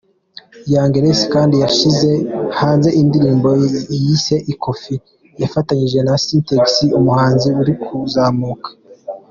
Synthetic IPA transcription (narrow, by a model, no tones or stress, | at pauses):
jaːŋɡeɾesi̥kaːndijaʃize̞haːnze̞ʔindiɾiːmbojise̞ʔikʰo̞fi | jafataɲiʒe̞nasinteɡsiumuhaːnziuɾikʰuzaːmuːkʰḁ